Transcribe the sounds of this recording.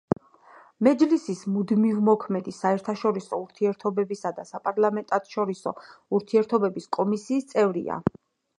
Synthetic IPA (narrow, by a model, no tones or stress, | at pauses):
mɛd͡ʒlisismud̪mivmɔkʰmɛd̪isaɛɾt̪ʰaʃɔɾisɔuɾt̪ʰiɛɾt̪ʰɔbɛbisad̪asapʼaɾlˠamɛnt̪ʼat̪ʰʃɔɾisɔ̰uɾt̪ʰiɛɾt̪ʰɔbɛbiskʼɔmisiːst̪sʼɛvɾḭa̰